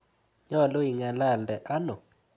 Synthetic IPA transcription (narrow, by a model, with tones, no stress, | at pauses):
ɲɔ˦˨lo˦i˨ŋa˨la˦˨ldɛ˨ʔa˦nɔ˨